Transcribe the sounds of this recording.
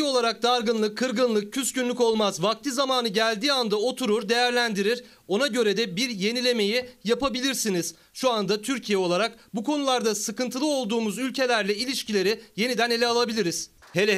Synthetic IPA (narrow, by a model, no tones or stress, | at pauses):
o̞lˠaɾak̚d̪aɾɡɯnlˠɯkʰːɯɾɡɯnlˠɯk̚cʰːyscynlʲyko̞lˠmazvak̚t̪ʰizamaːnɯɟælʲd̪iːand̪ao̞t̪ʰuɾuɾd̪e̞jæɾlʲænd̪iɾiɾ̥ | o̞naɟø̞ɾed̪ɛbiɾje̞nilʲe̞me̞jijapabilʲiɾsiniz̥ | ʃuand̪at̪ʰyɾcʰijɛo̞lˠaɾakbukʰo̞nulˠaɾd̪asɯkɯnt̪ʰɯlˠɯo̞lˠd̪uːmuzylʲcʰe̞lʲæɾlʲɛilʲiʃcilʲe̞ɾije̞nid̪æne̞lʲɛalˠabilʲiɾiz̥ | hele